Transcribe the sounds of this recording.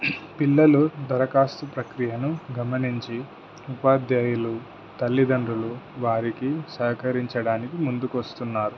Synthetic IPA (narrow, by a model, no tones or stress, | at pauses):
pilːɐlud̪ʱɐɾɐkaːst̪upɾɐkɾijɐnuɡɐmɐniɲt͡ʃi | upaːd̪jaːjulu | t̪ɐlːid̪ɐɳɖɾuluʋaːɾikisɐːkɐɾiɲt͡ʃɐɽaːnikimund̪ukuʋɐst̪unːaːɾu